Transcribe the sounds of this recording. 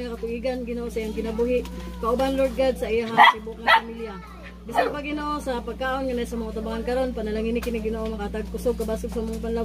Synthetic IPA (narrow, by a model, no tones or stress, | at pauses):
ŋakat̪ʊɡiɡanɡɪnoʔosaʔijaŋkɪnabuːɦɪʔkaʔʊbanloɹd̪̚ɡad̪̚saʔijaŋat̪ibʊʔ̚ŋapamilja | bɪsanpaɡɪnoʔosapaɡ̚kaːʔonŋanasamoŋt̪abaŋankɐɾonpanalaŋinɪkɪnɪɡɪnoʔomɐkat̪aɡ̚kʊsoɡ̚kabaːsʊɡ̚samʊŋapanla